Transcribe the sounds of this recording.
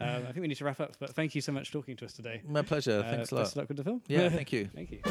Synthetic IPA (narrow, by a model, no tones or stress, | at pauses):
ʌ̃maɪθɪ̃ŋkwinidtʰəɹapʌpb̥ʌt̪θæ̃ŋkʰjɨsəʊmʌt͡ʃtʰɔˑkɪ̃ŋtʰəʌstʰədeɪmaɪpʰl̥ɛʒəθæ̃ksəlɔ̰tslɔʔ̚ɡ̥ʊdəfɪlˠmjæθæ̃ŋkʰjʉθæ̰̃ŋkjʉ